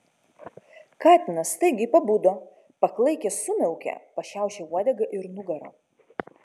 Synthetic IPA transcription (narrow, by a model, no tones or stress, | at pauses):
kɑːt̪ʲɪnɐst̪ɐɪɡʲɪpɐbud̪oː | pɐklˠɐɪkʲɛsʊmʲɛʊkʲɛ̰pɐʃʲæˑʊʃʲeuɔd̪ʲɛɡɐʔɪɾnʊɡɐɾo̰ː